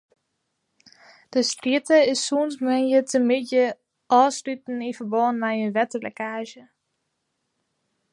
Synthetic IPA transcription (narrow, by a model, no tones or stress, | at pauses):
d̥əstrɪtəɪsːuːnsmɛnjətʰəmɪtjə | ʔɔːsrytn̩infərbɔnmɛjənʋɛtəlɛ̰kaːʒjə